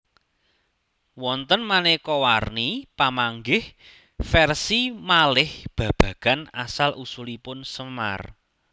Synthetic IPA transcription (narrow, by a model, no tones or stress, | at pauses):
wɔnt̪ənmanekɔwarnipamaŋɡɪh | fɛrsimalɪhb̥ä̤b̥ä̤ɡ̥a̤nasalʔusulipʊnsəma̰r